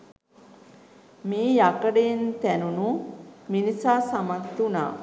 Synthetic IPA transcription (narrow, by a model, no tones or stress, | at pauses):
miːjakəɖeint̪ænunuminisaːsamakt̪una̰ː